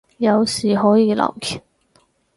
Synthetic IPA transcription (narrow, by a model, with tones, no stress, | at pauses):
jɐ˨˧wsiː˨˩ɦɔː˨˥jiː˨˧lɐ̰˨˩wkʰi˨˩n